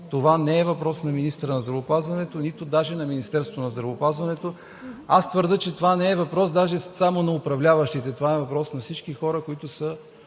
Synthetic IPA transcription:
t̪ovanɛːvɐpɾɔsnɐminist̪əɾənɐzd̪ɾɐvopazvɐnɛt̪onit̪ʊd̪aʒɛnɐminist̪ɛɾst̪vonɐzd̪ɾɐvopazvɐnɛt̪o | ast̪vəɾd̪ɤt͡ʃɛt̪ovanɛːvɐpɾɔsd̪aʒɛsamonɐʊpɾɐvlʲavəʃt̪it̪ɛt̪ovaɛvɐpɾɔsnɐfsit͡ʃkixɔɾəkoit̪ʊsə

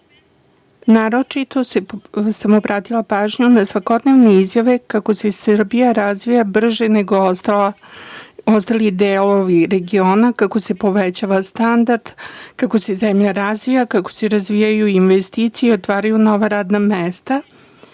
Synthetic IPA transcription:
naːɾo̞t͡ʃit̪o̞sesamobɾʔaːt̪ilˠapaːʒɲunasʋako̞d̪neʋneizjaʋe̞kako̞sesrbijaɾazʋijabr̩ʒeneɡo | ost̪alid̪eːlo̞ʋiɾe̞ɡio̞ːnakako̞se̞po̞ʋet͡ɕaʋast̪and̪aɾd̪̥kako̞sezemʎaɾazʋijakako̞̥se̞ɾazʋijajuinʋest̪iːt̪sijeo̞t̪ʋaːɾajuno̞ʋaɾaːd̪namest̪a

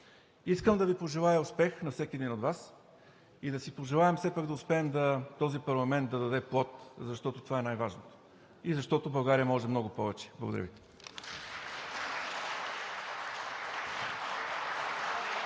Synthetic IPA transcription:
iskəmd̪ɐvipoʒɛlˠajɐʊspɛxnɐfsɛkiɛd̪inod̪vas | id̪ɐsipoʒɛlˠaɛmfsɛpaɡd̪ɐʊspɛːmd̪ɐt̪ɔzipɐɾlˠɐmɛnt̪̚d̪ɐd̪ɐd̪ɛplˠɔt̪zɐʃt̪ɔt̪ot̪ovaɛnajvaʒnot̪o̥ | izɐʃt̪ɔt̪obɐʊɡaɾijəmɔʒɛmnɔɡʊpɔvɛt͡ʃɛ̥blˠɐ̰ɡod̪ɐɾ̰vi

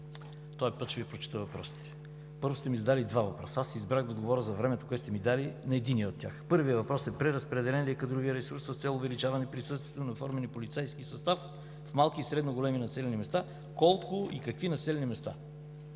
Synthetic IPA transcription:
t̪ɔɛpət̪t͡ʃɛvipɾot͡ʃi̥t̪əvɐpɾɔsi̥t̪ɛ̥ | pɤɾvʊst̪ɛmizɐd̪alid̪vavɐpɾɔsəasːɛizbɾaɣd̪ɐod̪ɡovɔɾəzɐvɾɛmɛt̪o̥koɛt̪ɛmid̪alinɐɛd̪iniɛot̪ʲːja̰xpɤɾviəvɐpɾɔsɛpɾɛɾəspɾɛd̪ɛlɛnlɛkɐd̪ɾuvijəɾɛsuɾsɐst̪sɛlˠʊvɛlit͡ʃavɐnɛpɾisɤst̪viɛt̪onɐfɔɾmɛnipolʲit̪sɛjskisɐst̪af | fmalˠkisɾɛd̪noɡolɛminɐsɛlʲɛnimɛst̪a | kɔlˠkʊḭkɐkvinɐsɛlʲɛnimɛst̪a̰

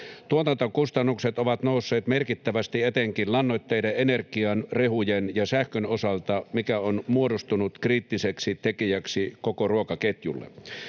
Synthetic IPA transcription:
t̪uot̪ɑnt̪okust̪ɑnːukset̪oʋɑt̪nousːeːt̪merkit̪ːæʋæst̪iet̪eŋkillɑnːot̪ːeideenerkiɑnrehujenjɑsæhkønosɑlt̪ɑmikæonmuodost̪unut̪kriːt̪ːiseksit̪ekijæksikokoruokɑket̪jṵlːḛ

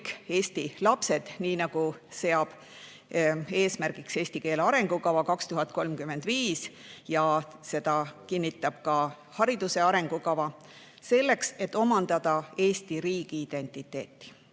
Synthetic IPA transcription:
ke̞ːst̪ilɑpse̞d̪̥niːnɑɡ̥use̞ɑb̥ | e̞ːsmærɡ̥ikse̞ːsʲt̪ike̞ːlɑɾe̞ŋɡ̥ukɑvɑkɑkst̪uɦɑt̪̚ko̞lmkyme̞nd̪̥viːs | jɑ | se̞d̪̥ɑkinʲːit̪ːˑɑb̥kɑ | hɑɾid̪use̞ɑɾe̞ŋɡ̥ukɑvɑ | se̞lːe̞kse̞t̪ːˑo̞mɑnd̪̥ɑd̪̥ɑe̞ːst̪iɾiːɡ̥iid̪̥e̞nt̪ˑit̪ːˑe̞ːt̪ːˑi̥

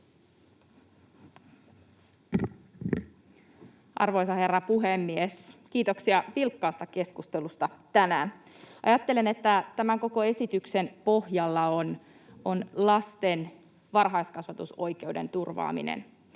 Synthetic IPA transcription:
ʔɑ̰rʋo̞jsɑhe̞rːɑpuɦemːieskiːt̪o̞ksiɑpilkːɑːst̪ɑke̞skust̪elust̪ɑt̪ænæːn | ʔɑ̰jɑt̪ːe̞lenet̪ːæt̪æmæŋko̞ko̞e̞sit̪yksenpo̞hjɑlːɑon | onlɑst̪e̞n | ʋɑrɦɑjskɑsʋɑt̪uso̞jk̟e̞ude̞̰nt̪urʋɑ̰ːmḭnḛn

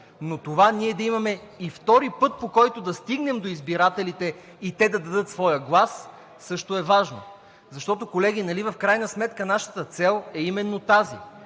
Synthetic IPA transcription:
not̪ovaniɛd̪ɐimɐmɛ | ift̪ɔɾipɤt̪̚pokɔjt̪od̪ɐst̪iɡnɛmd̪oizbiɾat̪ɛlit̪ɛ | it̪ɛd̪ɐd̪ɐd̪ɤt̪svɔjəɡlˠasː | ɤʃt̪oɛvaʒno̰ | zɐʃt̪ɔt̪okolɛɡ̟ʲinɐlivɐfkɾajnəsmɛt̪kənaʃə̥t̪ət̪sɛlˠɛimɛnːot̪azḭ

